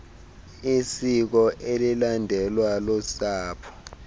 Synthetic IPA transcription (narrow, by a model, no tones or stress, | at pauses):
isik̬ɔʔelilandʱɛlwalɔsaːpʰɔ̥